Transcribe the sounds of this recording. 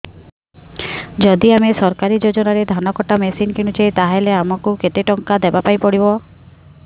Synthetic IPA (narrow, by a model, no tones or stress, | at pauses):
d͡ʒɔd̪iamesɔɾkaɾid͡ʒod͡ʒɔnaɾed̪ʱanɔkɔʈamesinkeɽ̃ut͡ʃʰet̪aɦeleamɔkuket̪eʈɔŋkad̪ebapajpɔɽibɔ